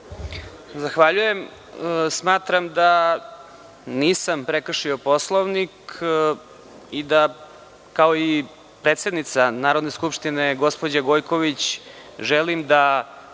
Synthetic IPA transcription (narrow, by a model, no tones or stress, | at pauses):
zaxʋaʎujem | smaːt̪ɾamd̪a | niːsampɾekr̩ʂio̞poslˠoʋnik | id̪a | kaoi | pɾeːt̪se̞d̪nit̪sanaːɾo̞d̪ne̞skupʂt̪ine̞ɡo̞spod͡ʑaɡo̞jkoʋit͡ɕ | ʒɛlimd̪a